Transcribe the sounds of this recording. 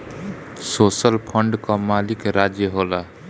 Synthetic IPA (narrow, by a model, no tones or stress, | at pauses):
sosəlpʰəɳɖkɔmalikɾad͡ʒjəɦola